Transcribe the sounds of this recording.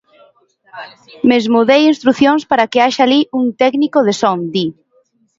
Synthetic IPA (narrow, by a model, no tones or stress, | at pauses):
mezmuðejinst̪ɾuθjoŋspaɾakeaʃaliʔuŋt̪ɛknikoðesɔŋd̪i